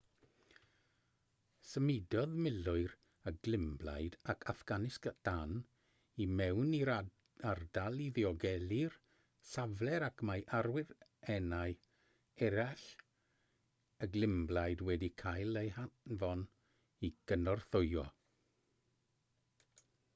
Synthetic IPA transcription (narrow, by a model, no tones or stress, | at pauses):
səmɪdɔðmɪlʊɨɾ | əɡlɪmbla̰jdakʰafɡ̥anɪskd̥an | imɛwni | ardalˠiðɪɔɡɛlir | savlɛɾakʰmajʔarwɪɾɛnaj | ɛɾaɬ | əɡlɪmblˠajdwɛdikʰajlˠehanvɔn | iɡ̥ənɔrθʊjɔ̰